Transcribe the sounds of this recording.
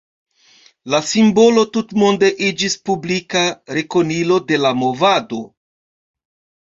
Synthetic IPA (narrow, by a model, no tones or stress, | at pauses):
lasimbo̞lo̞tutmo̞nde̞ʔid͡ʒispublikaɾe̞ko̞nilo̞de̞lamo̞vado̞